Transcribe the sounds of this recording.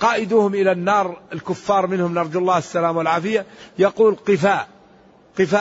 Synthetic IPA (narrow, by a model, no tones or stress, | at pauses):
qɑːʔɪd̪uːhʊmʔɪlanːɑːɾˤɪlkʊfːɑːɾˤmɪnhʊmnɑɾˤd͡ʒalˤːɑːɪsːalaːmwɪlʕaːfɪjajaquːlqɨfaːʔ | qɨfaː